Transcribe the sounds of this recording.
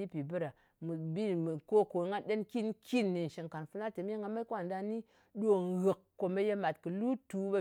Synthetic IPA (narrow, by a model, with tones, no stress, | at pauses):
i˦pi˨bɨ˦ɾa˨ | mɨ˨bi˦m˨ko˦ko˨ŋa˦ɗe˦nki˦nkʰi˦nːi˨n̩˨ʃi˨ŋka˨nfu˦na˦te˨m˦e˦ŋɡa˧ma˦kʷwa˦˨nda˧ni˦ | ɗo˦˨ɣɨ˨kːo˨me˦je˦ma˨tkɨ˨lu˦tu˨˦be˦